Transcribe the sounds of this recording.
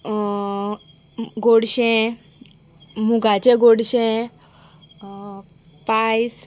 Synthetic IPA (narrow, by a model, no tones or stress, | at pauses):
ɡoɽɕẽ | muɡʱat͡ɕẽɡoɽɕẽ | pajs